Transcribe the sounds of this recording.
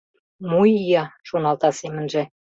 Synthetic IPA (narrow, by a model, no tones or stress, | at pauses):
mujjɑʃonɑlt̪ɑsemə̆nʒĕ